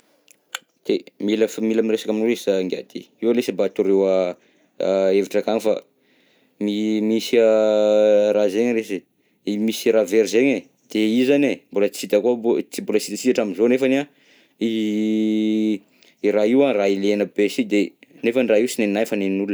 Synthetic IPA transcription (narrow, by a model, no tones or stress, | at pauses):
d̪̥emilafmilamiresḁkaminoɾesəŋɡia̰d̪i | iwalesabat̪uɾewə | eviʈ͡ʂakanfa | mimisiə | ɾazeɲresi | imisiɾaveɾizeɲe | d̪̥eizanembulət͡sit̪akut͡simbulat͡sit̪at͡sit̪aʈ͡ʂaminzonefana | i | iɾaiwarailenəbesid̪enefanraiusineninajfaneninulunə